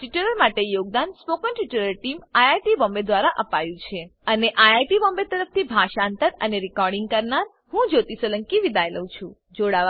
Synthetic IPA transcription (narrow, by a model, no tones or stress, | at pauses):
ʈiʈəɾəɾmaʈejoɡ̚d̪anspokənʈiʈəɾəɾʈimajajʈibɔmbed̪ʋaɾaʔəpajũt͡ʃʰeəneʔajajʈibɔmbet̪əɾəf̚t̪ʰibʱaʃant̪əɾəneɾikɔɾɖiŋɡ̚kəɾnaɾ | hũd͡ʒot̪isələŋkiʋid̪ajləũt͡ʃʰṵ̃ | d͡ʒoɽa